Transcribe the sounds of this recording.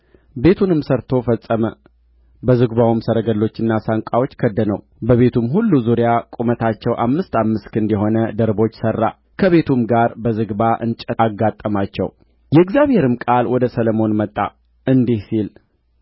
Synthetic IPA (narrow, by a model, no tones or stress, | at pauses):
be̞t̪ʰunɨmsəɾt̪ʰo̞fəsʼːəmə | bəzɨɡβawmsəɾəɡəlːo̞t͡ʃːɨnːasaŋkʷʼawo̞t͡ʃːkʰəd̪ːənəw | bəβe̞t̪ʰumhulːuzuɾijakʼumət̪ʰat͡ʃːɛwʔamːɨst̪amːɨst̪kʰɨnd̪jɛɦo̞nəd̪əɾbo̞t͡ʃːsərːa̰ | kʰəβe̞t̪ʰumɡaɾbəzɨɡbaʔɨ̰nt͡ʃʼɛɡːat̪ʼːəmat͡ʃːɛ̰w | jɛɨɡzjaβhe̞ɾɨmkʼalwɔd̪əsələmo̞nmət̪ʼːa̰ | ʔɨnd̪ihsil